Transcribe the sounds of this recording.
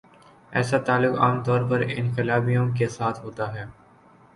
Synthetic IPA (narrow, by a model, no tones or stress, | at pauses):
ɛ̰ːsat̪aːlːʊka̰ːmt̪ɔːɾpɐɾɪ̰nqɪlaːbijõkesaːt̪ʰɦoːt̪aɦɛː